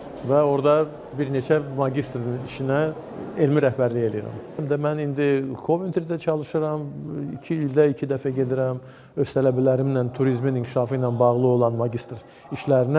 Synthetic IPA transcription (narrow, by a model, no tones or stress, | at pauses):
væo̞ɾd̪ɑ | biɾne̞t͡ʃʰæmɑɟist̪ɾiniʃinæ | elmiɾæhbæɾlije̞lijiɾæ̰mmd̪æmænind̪ikʰo̞vint̪ʰɾid̪æt͡ʃʰɑlˠɯʃɯɾɑmḭcʰiːlʲd̪æicʰid̪æfæɟe̞d̪iɾæm | øz̥t̪ʰælæbælæɾimnænt̪ʰuɾizminiŋcʰi̥ʃɑfɯjnɑnbɑʁlˠɯo̞lˠɑnmɑɟʲist̪ɾ | iʃlæɾinæ